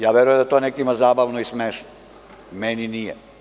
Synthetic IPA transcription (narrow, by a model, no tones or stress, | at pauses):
jaːʋeɾujed̪at̪onekiimazaːbaʋnoismeːʃno | meninije